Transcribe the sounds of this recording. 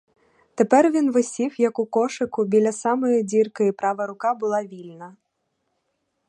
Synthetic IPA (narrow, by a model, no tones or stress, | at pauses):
t̪ɛpɛrvʲinvɨsʲifjɐkukɔʂɨkubʲilʲɐsamɐjɐd͡zʲirkɐipɾavɐɾukabɨlˠavʲilʲnɐ